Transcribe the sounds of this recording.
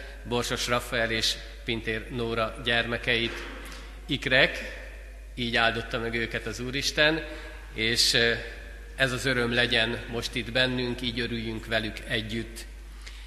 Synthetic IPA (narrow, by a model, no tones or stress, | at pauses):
bo̞rʃo̞ʃrɒfːɛɛleːʃ | pint̪eːrnoːɾɒɟɛrmɛkɛjit̪ | ikrɛk | iːɟaːld̪o̞t̪ːɒmɛɡøːkɛt̪ɒzuːɾiʃt̪ɛn | eːʃ | ɛzɒzø̞ɾø̞mlɛɟɛnmo̞ʃt̪id̪bɛnːyŋkiːɟø̞ɾyjːyŋkʋɛlykɛɟːyt̪ː